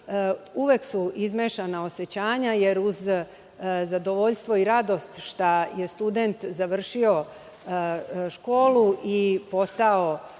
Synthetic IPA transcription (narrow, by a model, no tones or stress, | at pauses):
uʋeksuizmeʃanao̞set͡ɕaːɲaje̞ɾuz | zad̪o̞ʋo̞ʎst̪ʋo̞iɾad̪o̞st̪ʃt̪aje̞st̪ud̪ent̪zaʋr̩ʃio̞ | ʃko̞ːluʔipo̞st̪ao̞